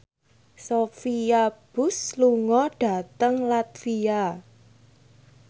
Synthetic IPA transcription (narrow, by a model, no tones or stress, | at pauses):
sofiab̥ʊ̤sluŋɔɖ̥a̤t̪əŋlat̪fia